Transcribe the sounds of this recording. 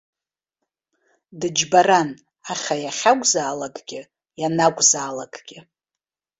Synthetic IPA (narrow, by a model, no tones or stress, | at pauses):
dɨd͡ʒbaɾan | aχʲajaχʲakʷʼzaːlaɡʼɡʲɪ | janakʷʼzaːlaɡʼɡ̥ʲɪ